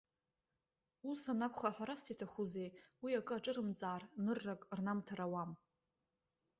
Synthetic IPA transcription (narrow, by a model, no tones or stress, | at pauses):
usanakʷʼχaħʷᶣaɾastʰitʰaχuzejwiakʼɨaʈ͡ʂʼɨɾɨmt͡sʼaːrnɨrːakʼrnamtʰaɾawam